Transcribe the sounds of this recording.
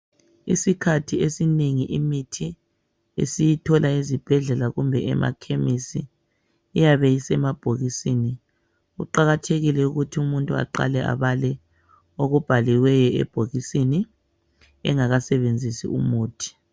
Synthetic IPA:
ḭsikʰatʰiesineŋiʔimitʰi | ḛsijitʰɔlaizib̥ʱɛɮɛlaɣumbʱɛɛ̰mʔa̰kʰemisiː | jaβɛjisɛmab̥ʱoɣisini | uǃaɣatʰeɣilɛuɣutʰiumuntʼua̰ǃa̰lɛʔa̰βalɛ | oɣub̥ʱaliwɛjɔɛ̰b̥ʱoɣisini | ɛ̰ŋaɣasɛβend͡zʱisḭumuːtʰi̥

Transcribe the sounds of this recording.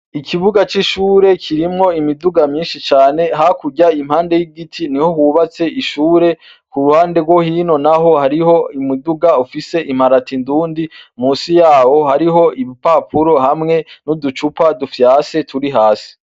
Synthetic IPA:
ikʰiβuɡat͡ʃiʃuːɾe̞kʰiɾimŋo̞imiduɡamɲiːnʃit͡ʃaːne̞ɦakuɟaimhaːnde̞jiɡitʰiniho̞huβat͡se̞ʔiʃuːɾe̞ | kuɾuhaːnde̞ɡwohiːno̞naɦo̞haɾiho̞imiduɡaufise̞ʔim̥aɾatinduːndimuːsijaːwo̞haɾiɦo̞iβipapʰuɾo̞ɦamŋe̞nudut͡ʃupadufjaːsetʰuɾiɦaːsi̥

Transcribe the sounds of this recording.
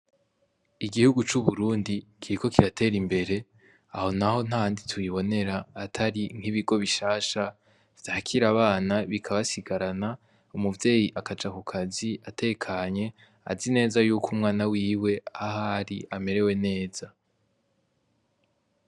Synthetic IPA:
iɡihuɡut͡ʃuβuɾuːndikʰiɾiko̞kiɾatʰe̞ːɾimbe̞ɾe̞ | aho̞naho̞n̥anditʰuiβo̞ne̞ɾaːtʰaɾiŋ̥hiβiɡo̞βiʃaːʃa | v̥jaakʰiɾaβaːnaβikʰaβasiɡaɾana | umuvje̞ːjiʔakad͡ʒakukʰaziatʰe̞ːkʰaɲe̞ | a̰zine̞ːzajuːkʰumŋaːnawiːwe̞ahaɾiʔame̞ɾe̞we̞ne̞ːz̥a

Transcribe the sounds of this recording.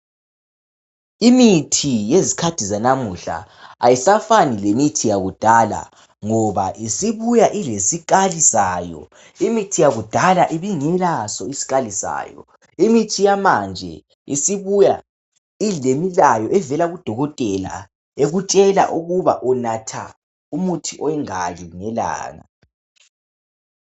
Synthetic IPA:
imitʰijezikʰatʰizanamuɬa̰ | ajisafanilemitʰijaɣud̥ʱala̰ | ŋɔβa̰ʔisiβujaʔilesik̬ʼalisaːjɔ̰ | imitʰijaɣud̥ʱalaʔiβiŋɛlasɔisi̥ɣalisa̰ːjɔ̰ | imitʰijamand͡ʒʱɛ̰ | ḭsiβuja | ilemilajɔʔɛvɛlaɣud̥ʱɔɣɔtʼɛla̰ | eɣut͡ʃʼɛla̰ʔuɣuβa̰ʔɔnatʰa̰ | umutʰiʔɔɛŋaliŋɛla̰ːŋa̰

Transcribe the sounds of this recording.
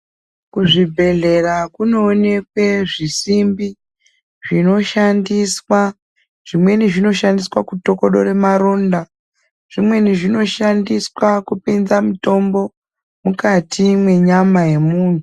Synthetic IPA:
kuʐibʱe̞ɮe̞rakuno̞ːne̞kwe̞ʐisimbi | ʐino̞ʃandiswa | ʐ̥imwe̞niʐino̞ʃandiswakuto̞ko̞ɗoɾe̞maɾo̞nda | ʐ̥imwe̞niʐino̞ʃandiswakupinzamito̞mbo̞ | mukatʰimwe̞ɲamaje̞muːn̤u

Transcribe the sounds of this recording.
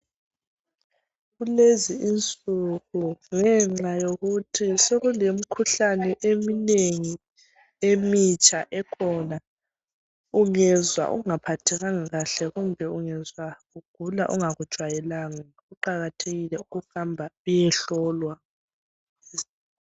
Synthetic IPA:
ɣuleziint͡sʼuɣuŋɛŋ͡ǁajoɣutʰisoɣulemikʰuɬanɛʔemineŋi | emit͡ʃʼaʔɛkʰɔna | uŋɛzwa̰ʔṵŋapʰatʰɛɣaŋaɣaɬɛɣumbʱɛuŋɛzwaɣuɡ̥ʱulaʔuŋaɣud̥ʒ̥ʱwajɛlaŋa | ɣuǃaɣatʰeɣilɛuɣuxambʱaujɛɬɔːlwa

